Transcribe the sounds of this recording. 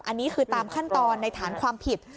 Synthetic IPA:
ʔa˧nːiː˦˥kʰɯː˧t̪aː˧mkʰa˥˩nt̪ɔː˧nːa˧jt̪ʰaː˩˦nkʰwaː˧mpʰi˨˩t̪̚

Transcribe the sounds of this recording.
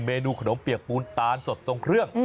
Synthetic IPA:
meː˧nuː˧kʰa˧no˩˦pi˨˩ək̚puː˧nt̪aː˧nso˨˩t̪̚so˧ŋkʰɾɯ˥˩əŋ

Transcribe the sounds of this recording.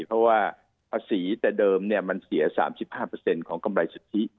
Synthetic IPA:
pʰɾɔ˦˥waː˥˩ | pʰaː˧siː˩˦t̪ɛː˨˩dɤː˧mni˥˩ɐma˧nsi˨˩˦ɐsa̰ː˩˦msi˨˩p̚haː˥˩pɤː˧se˧nkʰɔː˩˦ŋka˧mɾa˧jsu˨˧˩t̪ʰːi˦˥

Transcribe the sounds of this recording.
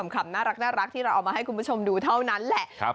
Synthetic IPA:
mkʰa˧mnaː˥˩ɾa˦˥k̚naː˥˩ɾa˦˥k̚t̪ʰiː˥˩a˧wʔ̚ːmaː˧ɦa˥˩jku˧npu˦˥˩t͡ɕʰo˧mduː˧t̪ʰa˥˩wna˦˥nlɛ˨˩ʔ

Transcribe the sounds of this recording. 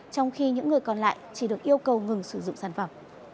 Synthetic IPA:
t͡ɕɔ˧wŋ͡mxi˧ɲɨ̰˧˥ŋːɨ˨˩əjkɔ˨˩nla̰ː˧˨jt͡ɕi˧˩ɗɨ˨˩ək̚ʔi˧əwkə˨˩wŋɨ˨˩ŋsɨ˧˩zʊ̰˧˨ŋ͡msaː˧˩nfə˧˩m

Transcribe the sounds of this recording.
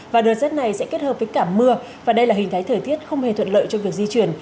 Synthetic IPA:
vaː˨˩ɗəː˨˩t̚zaː˦˥t̚na˨˩jsɛ̰˧˥ke˦˥t̚həː˨˩p̚vəː˨˦jkaː˧˩mɨ˧ə | vaː˨˩ɗə˧jlaː˨˩i˨˩ŋ̟t̪ʰːt̪ʰəː˧˩jt̪ʰi˦˥ət̚xə˧wŋ͡mhe˨˩t̪ʰwə˧˨nlə̰ː˧˨jt͡ɕɔ˧vi˨˩ək̚zi˧t͡ɕwi˧˩ən

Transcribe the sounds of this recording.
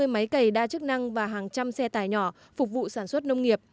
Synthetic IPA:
ɨ˧əjma˨˦jkə˨˩jɗaː˧t͡ɕɨ˦˥k̚na˧ŋvaː˨˩ɦaː˨˩ŋt͡ɕa˧msɛ˧t̪aː˧˩jɲɔ˧˩ | fʊ˨˩k͡p̚vṵ˧˨saː˧˩nswə˦˥t̚nə˧wŋ͡mŋi˨˩əp̚

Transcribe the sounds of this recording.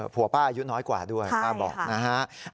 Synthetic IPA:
pʰu˨˩˦paː˥˩ʔju˦˥nɔː˦˥jkwa̰ː˨˩du˥˩əjaː˥˩bɔ̰ː˨˩k̚na˦˥kʰa˦˥ʔ

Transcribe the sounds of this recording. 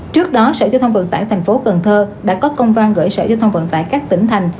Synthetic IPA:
t͡ɕɨ˦˥ək̚ɗɔ˨˦sə̰ː˧˩zɔ˧t̪ʰŋ͡mvə̰˧˨nt̪a̰ː˧˨jt̪ʰɛ˨˩ŋ̟fo˨˦kə˨˩nt̪ʰəː˧ɗa̰ː˧˥kɔ˨˦kə˧wŋ͡mva˧nɣə̰ː˧˩jsə̰ː˧˩zɔː˧wt̪ʰə˧wŋ͡mvə̰˧˨nt̪a̰ː˧˨jkaː˦˥k̚t̪ï˧˩ŋ̟t̪ʰa˨˩jŋ̟

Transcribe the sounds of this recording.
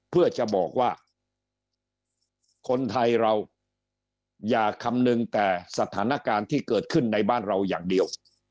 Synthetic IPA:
pʰɯ˥˩ɐt͡ɕa˨˩bɔː˨˩k̚waː˥˩ | kʰo˧nt̪ʰa˧jɾa˧w | jaː˨˩kʰa˧mnɯ˧ŋt̪ɛː˨˩sa˧t̪ʰaː˩˦na˦˥˩kaː˧nt̪ʰiː˥˩kɤː˨˩t̪̚kʰɯ˥˩nːa˧jbaː˥˩nɾa˧wjaː˨˩ŋdi˧əw

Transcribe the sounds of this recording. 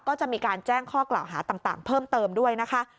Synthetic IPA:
kɔː˥˩t͡ɕa˨˩ʔmiː˧kaː˧nt͡ɕɛː˥˩ŋkʰɔː˥˩kla̰ː˨˩wɦa̰ː˩˦t̪aː˨˩ŋt̪a̰ː˨˩ŋpʰɤː˥˩mt̪ɤː˧mdu˥˩əjna˦˥kʰa˦˥

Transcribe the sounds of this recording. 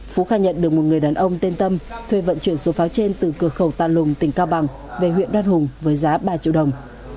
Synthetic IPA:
fu˨˦xaː˧ɲə̰˧˨nɗɨ˨˩ək̚mo˨˩t̚ŋɨ˨˩əjɗaː˨˩nʔə˧wŋ͡mt̪e˧nt̪ə˧mt̪ʰwe˧˩və̰˧˨nt͡ɕwi˧˩ənso˨˦faː˨˦wt͡ɕe˧nt̪ɨ˨˩kɨ˧˩əxə˧˩wt̪a̰ː˧˨lʊ˨˩ŋ͡mt̪ï˧˩ŋ̟kaː˧wɓa˨˩ŋ | ve˨˩hwḭ˧˨ənɗwaː˧nɦʊ˨˩ŋ͡mvəː˨˦jzaː˨˦ɓaː˧t͡ɕḭ˧˨wɗə˨˩wŋ͡m

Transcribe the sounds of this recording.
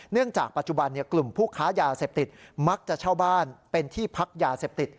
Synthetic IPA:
nɯ˥˩əŋt͡ɕaː˨˩k̚pa˨˩t̪̚t͡ɕu˨˩ba˧nːi˥˩ɐklu˨˩mpʰuː˥˩kʰaː˦˥jaː˧seː˨˩p̚t̪i˨˩t̪̚ma˦˥k̚t͡ɕa˨˩t͡ɕʰaː˥˩wbaː˥˩npe˧nt̪ʰiː˥˩pʰa˦˥k̚jaː˧seː˨˩p̚t̪i˨˩t̪̚

